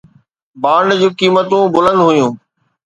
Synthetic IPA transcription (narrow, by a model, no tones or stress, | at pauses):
baːɳɖd͡ʑũːkiːmət̪ũbʊlə̃nd̪ɦʊjũː